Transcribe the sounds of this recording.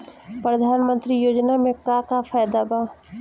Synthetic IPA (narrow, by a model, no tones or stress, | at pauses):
pɾəd̪ʱaːnmə̃nt̪ɾijoːd͡ʒnamẽkaːkapʰaːjd̪abaː